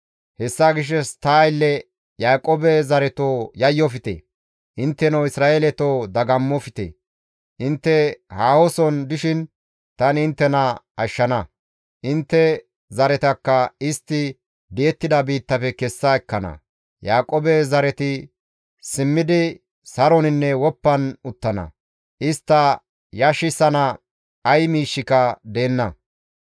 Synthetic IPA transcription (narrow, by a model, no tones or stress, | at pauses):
hɛsːaɡɪʃ̬ːɛst̪aːjlːɛ | jaːkʼoːbɛzɐɾɛt̪oːjɐjːɔfɪt̪ḛː | ʔɪnt̪ːɛnɐwɪsɾaːeːlɛt̪oːd̪ɐɡɐmːɔfɪt̪ḛː | ʔɪnt̪ːɛhaːhɔsɔnd̪ɪʃɪn | t̪ɐnɪnt̪ːɛnɐɐʃːɐnɐ | ʔɪnt̪ːɛ | zɐɾɛt̪ɐkːɐɪst̪ːɪ | d̪ɪjɛt̪ːɪd̪ɐbiːt̪ːɐpɛkɛsːɐɛkːɐnɐ̰ | jaːkʼoːbɛzɐɾɛt̪ɪ | sɪmːɪd̪ɪ | sɐɾɔnɪnːɛwɔpːɐnʊt̪ːɐnɐ̰ | ʔɪst̪ːɐ | jɐʃɪsɐnɐ | ɐjmiːʃːɪkɐd̪e̞ːnːɐ